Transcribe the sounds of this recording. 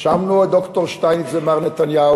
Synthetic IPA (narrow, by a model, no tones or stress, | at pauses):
ʃamnuad̪ɔkt̪ɔʁʃt̪ajnizemaʁnɛt̪anja